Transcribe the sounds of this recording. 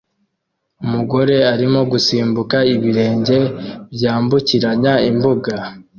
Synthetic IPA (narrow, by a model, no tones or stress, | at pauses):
umuɡo̞ɾe̞aɾimo̞ɡusiːmbukaiβiɾe̞ːɲɟe̞bjaːmbuciɾaɲaimbuɡa